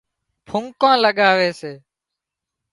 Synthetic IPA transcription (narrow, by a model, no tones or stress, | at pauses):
pʰʊŋkãːləɠaːʋeːseː